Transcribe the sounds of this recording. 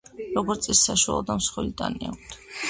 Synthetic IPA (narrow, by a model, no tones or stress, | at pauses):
ɾɔɡɔɾt̪sʼisːaʃua̰lˠɔd̪amsχwɛlit̪ʼania̰k̚ʰʷt̪ʰ